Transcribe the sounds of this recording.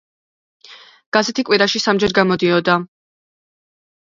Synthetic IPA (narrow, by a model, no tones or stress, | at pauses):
ɡ̥azɛt̪ʰikʼwiɾaʃisamd͡ʒɛɾɡamɔd̪iɔd̪a